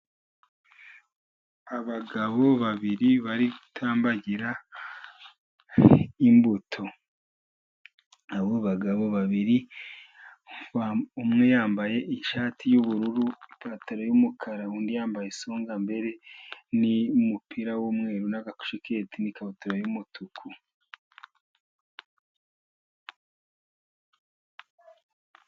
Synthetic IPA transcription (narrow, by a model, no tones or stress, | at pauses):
aβaɡaβo̞βaβiɾiβaɾiɡutʰaːmbaɟiɾa | imbutʰo̞ | aβoβaɡaβo̞βaβiɾi | umŋe̞jaːmbaje̞ʔiʃaːtʰijuβuɾuɾuikataɾojumukʰaɾauːndijaːmbajesoːŋɡambe̞ɾe̞niumupiɾawomwe̞ːɾunaɡaku̥ʃekʰe̞ːtinikaβotaɾojumutʰukʰu